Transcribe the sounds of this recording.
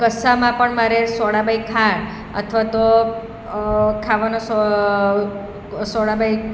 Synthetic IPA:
kəsamãpəɳmaɾesɔɽabaikʰaɳ | ə̰t̪ʰʋat̪o | kʰaʋanos | sɔɽabaj

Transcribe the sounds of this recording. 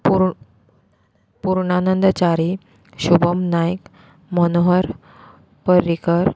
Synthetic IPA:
pu | puɾɳanənd̪t͡ɕaɾi | ɕubəmnajk | mənoɦəɾ | pəɾːikəɾ

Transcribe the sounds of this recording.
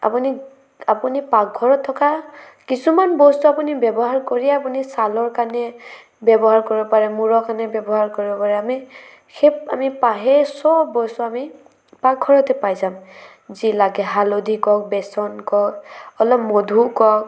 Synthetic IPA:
a̰puni | apunipak̚ɔɹɔt̪ʰːɔka | kisumanbɔstuapunibɛbɔɦaɹkoɹiɛapunisalɔɹkanɛ | bjɛbɔɦaɹkoɹibɔpaɹɛmuɹɔkanɛbjɛbɔɦaɹkoɹibɔpaɹɛami | xea̰mipaɦɛsɔbɔsuami | pak̚ɡʱɔɹɔtɛpajzam | zilaɡɛɦalodʱikɔk̚bɛsɔnkɔkɔlɔpmodʱukɔk̚

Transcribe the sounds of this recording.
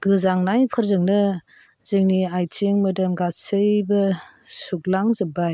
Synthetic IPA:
ɡ̥ɯzaŋnajpʰɯɾzɯŋnɯ | zɯŋniajt͡ʃeŋmɯdɯmɡasɯjbɯsuk̚laŋzɯbaj

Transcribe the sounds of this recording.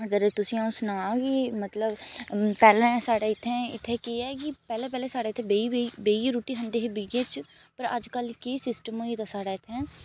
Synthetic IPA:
əd̪əɾt̪ʊsĩãsnəʋaːoːɡeːmət̪ləbpɛːlãːsaːɽaːɪt̪ʰːẽːɪt̪ʰːeːkeːɛːkɪpɛːleːpɛːlẽːsaːɽaːɪt̪ʰːẽːbeibeːiɾuːʈiːɦə̃nd̪eːɦeːbɪɡeːt͡ʃ | pəɾəd͡ʒkəlkesɪsʈəmoːit̪aːsaːɽaːɪt̪ʰːɛ̃ː

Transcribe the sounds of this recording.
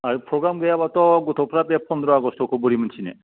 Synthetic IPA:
aɾpʰɾoɡɾamɡejabat̪ɔɡot̪ʰopʰɾapɛppːɔnd̪ɾɔaɡɔst̪ʰɔkʰuboɾimənt͡ʃʰinɛ̰

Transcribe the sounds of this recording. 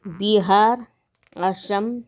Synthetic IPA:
biɦaːɾ | ɐʃɐm

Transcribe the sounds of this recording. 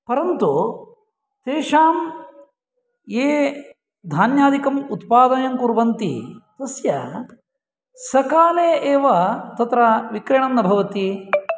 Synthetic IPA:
pɐɾɐnt̪u | t̪eːʂaːm | jeː | d̪ʱaːnjaːd̪ʱikɐmut̪paːd̪ɐjɐŋkuɾbɐnt̪ḭt̪ɐsjɐ | sɐkaːleːeːʋɐt̪ɐt̪ɾɐʋikɾɐɳɐnːɐbʱɐʋɐt̪i

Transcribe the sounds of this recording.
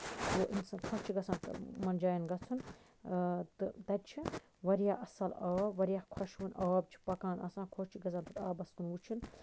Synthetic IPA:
woːʔinsɐnkʰost͡ʃʰiɡɐsãːnt̪ɨ̰mɐnd͡ʒaːjɐnɡɐt͡sʰun | t̪ɨt̪ɐt͡ʃʰi | ʋɐɾjaɐsɐlɐːbʋɐɾijahkʰɐʃʋunɐːbt͡ʃʰi̥pɐkãːnʔɐ̰sãːnkʰoʃt͡ʃʰiɡɐzaːnt̪ɨt̪aːbɐskunwut͡ʃʰin

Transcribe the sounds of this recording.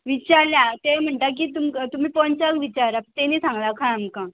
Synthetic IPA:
ʋit͡ɕaɾljat̪em̤əɳʈ̪ak̬iːt̪umt̪um̤iːpɔɲt͡ɕalʋit͡ɕaɾat̪eniːsãŋɡlakʰãamkã

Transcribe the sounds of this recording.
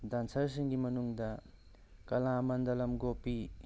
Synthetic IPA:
dansɐɾsiŋɡimɐnuŋdɐ | kɐlamɐndɐlɐmɡopi

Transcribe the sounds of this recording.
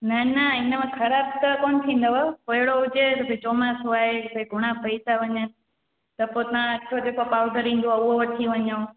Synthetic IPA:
nɐnɐɪnəmẽxɐɾaːb̚t̪ɐkoːnɪt̪ʰĩːn̆d̪opɐɦɪɽoʊd͡ʑet̪ɐbʱet͡ɕoːmasʊaːebʱeɡʱʊɽ̃apɐit̪aʋɐɲənɪ̆ | t̪ɐpoːt̪ɐʋ̤ãɐt͡ʃʰod͡ʑeːkopaːʋd̪əɾĩːn̆d̪oaːʊɦoʋɐʈʰiʋɐɲaõ

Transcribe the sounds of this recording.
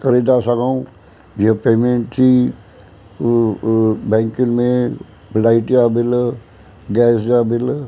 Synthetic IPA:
kəɾid̪asaɡaw̃ | d͡ʒepemeɳʈt͡ʃi | bɛ̃ŋkinmẽ | blaiʈjabɪl | ɡɛːsd͡ʒabɪl

